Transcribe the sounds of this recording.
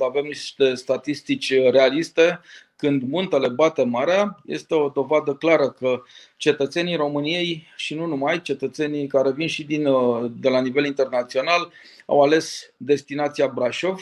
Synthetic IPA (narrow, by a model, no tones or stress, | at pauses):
ave̞mniʃt̪e̞st̪at̪ist̪it͡ʃʲre̞alist̪e̞kɨnd̪munt̪e̞le̞bat̪e̞maɾeajḛst̪e̞o̞d̪o̞vad̪əklaɾəkə | t͡ʃe̞t̪ət̪se̞nijɾo̞mɨnije̞jʃinunumajt͡ʃe̞t̪ət̪se̞nikaɾe̞vinʃid̪ind̪e̞lanive̞lint̪e̞rnat̪sio̞nal | a̰wale̞sd̪e̞st̪inat̪siabɾaʃo̞v